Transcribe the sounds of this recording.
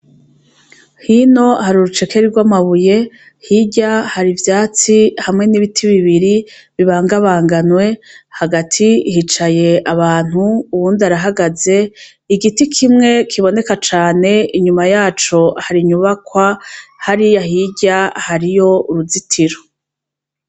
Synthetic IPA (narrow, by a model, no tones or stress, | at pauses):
hino̞haɾuɾut͡ʃe̞ke̞ɾiɾɡwamaβuje̞ | hiɟahaɾivjaːt͡sihamŋe̞niβitʰiβiβiɾi | βiβaːŋɡaβaːŋɡanwe̞haɡatʰihit͡ʃaje̞ʔaβaːn̥huːβuːndaɾaɦaɡaze̞ | iɡitikʰimŋe̞kʰiβo̞ne̞kat͡ʃaːne̞iɲumajaːt͡ʃo̞haɾiɲuβakwahaɾijahiɟahaɾijo̞uɾuzitʰiɾo